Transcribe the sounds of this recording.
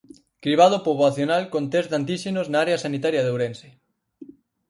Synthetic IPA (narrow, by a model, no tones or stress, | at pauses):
kɾiβ̞að̞opoβlaθjonalkont̪ezd̪ant̪iʃenoznaaɾeasanit̪aɾjaðowɾense